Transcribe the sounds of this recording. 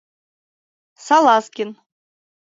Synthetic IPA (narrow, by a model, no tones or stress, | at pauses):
sɑlˠɑskʲin